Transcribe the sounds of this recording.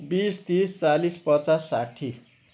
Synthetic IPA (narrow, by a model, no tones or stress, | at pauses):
bist̪ist͡salispʌt͡sasːaʈʰi